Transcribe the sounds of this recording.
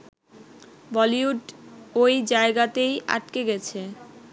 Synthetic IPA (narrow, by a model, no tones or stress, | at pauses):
bɔliuʈojd͡ʑaeɡat̪ejʔa̰ʈ̚keɡɛt͡ɕʰe